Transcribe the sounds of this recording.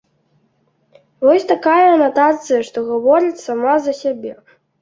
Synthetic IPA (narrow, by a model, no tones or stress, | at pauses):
vɔsʲt̪akajɐːnat̪at̪sɨjɐʂt̪ɔɣavɔɾit͡sʲsamazɐsʲabʲɛ